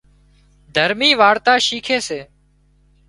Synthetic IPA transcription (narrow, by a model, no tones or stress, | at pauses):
d̪ʱəɾmiːʋaːɽt̪aːʃiːkʰeːseː